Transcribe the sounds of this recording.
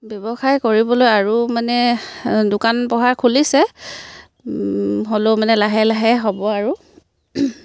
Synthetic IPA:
bjɔbɔxajkoɹibɔlojaɹumanɛdʊkanpɔɦaɹkʰulisɛ | ɦolomanɛlaɦɛlaɦɛɦɔbɔaɹu

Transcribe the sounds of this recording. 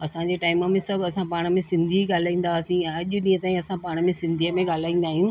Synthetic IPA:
ɐsãɲd͡ʑeːʈaːɪməmẽsɐbʱɐsãpaːɽ̃əmẽsɪ̃nd̪ʱiɠaːl̤aːĩːn̆d̪aːsĩɛ̃ɐʄʊɗĩːə̃t̪aːĩɐsãpaːɽ̃əmẽsɪ̃nd̪ʱiəmẽɠaːl̤aːĩːn̆d̪aːɦijũː

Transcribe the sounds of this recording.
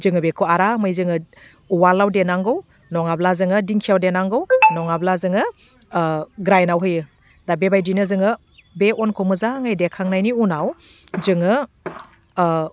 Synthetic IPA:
zɯŋɯbekʰuaɾamɯjzɯŋɯ | uwalːawdenaŋɡɯw | nɔŋablazɯŋɯdiŋkʰijawdenaŋɡɯwnɔŋablazɯŋɯ | ɡɾajnawɦɯjɯ | d̥abebajdinɯzɯŋɯ | beɔnkʰomɯzaŋajdekʰaŋnajniunaw | zɯŋɯ

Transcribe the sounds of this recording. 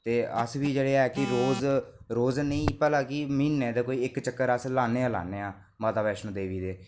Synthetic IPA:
t̪eːəsʋiːd͡ʒeːɽeːɛːkɪɾoːzɾoːznəĩːpɛːlãːkɪmiːnẽːd̪eːkoːiːɪkt͡ʃəkːəɾəslaːneːãːla̰ːneːãː | maːt̪aːʋɛːʃnõːd̪eːʋiːd̪eː

